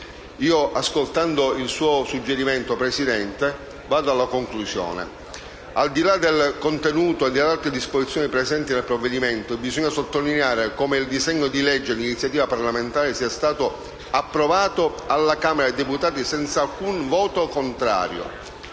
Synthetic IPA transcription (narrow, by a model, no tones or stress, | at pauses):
iːoʔaskolt̪and̪oilsuːosud͡ʒːeɾimɛnt̪opɾesid̪ɛnt̪e | vaːd̪oalːakoŋklusjo̰ːnḛ | ald̪ilad̪elkont̪enuːt̪oed̪ːelːalt̪ɾed̪ispozit̪sːjoːnipɾezɛnt̪inelpɾovːed̪imɛnt̪oebizɔɲːasot̪ːolineaːɾekomeild̪izɛɲːod̪ilɛd͡ʒːelinit̪sjat̪̬iːvaparlament̪aːɾesiːast̪aːt̪o | apːɾovaːt̪o | alːakaːmeɾaed̪eput̪aːt̪isɛnt̪saːlkunvɔːt̪okont̪ɾa̰ːɾjo̰